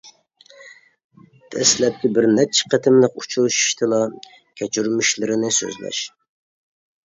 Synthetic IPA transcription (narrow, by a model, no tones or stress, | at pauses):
t̪ʰɛslɛp̚kʲibɪɾnɛt͡ʃʰɛ̥qʰət̪ʰɪmlɪkut͡ʃʰulˠʃi̥ʃt̪ʰɨlˠɑ | kʲʰɛt͡ʃʰyɾmyʃlɪɾɪnɪsø̰zlɛ̰ʃ